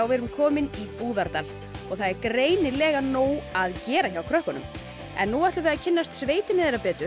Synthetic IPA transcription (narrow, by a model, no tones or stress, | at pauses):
awvɛːɾʏmkʰɔːmɪnipuːðaɾt̪al | ɔɣθaðɛɾkɾeːjnɪlɛːɣanoːwaðcɛːɾaçawkʰɾœhkʏnʏ̰m | ɛ̰nːuaht̪lʏɾvɛːðacʰɪnːast̪sveːjt̪ɪnɪðeːɾapɛːt̪ʏ